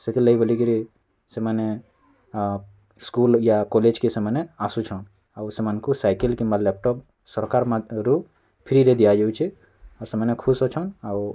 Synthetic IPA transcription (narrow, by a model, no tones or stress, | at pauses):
set̪ʰiləibolikiɾi | seməne | skuljakɔled͡ʒkeseməneasut͡ʃʰɔn | awsemənkusaːɪkəlkimalɛp̚ʈɔp | səɾkaːɾmãɾu | pʰiɾiɾed̪ijad͡ʒeut͡ʃʰi | ɔːɾsemənekʰusɔt͡ʃʰɔnaw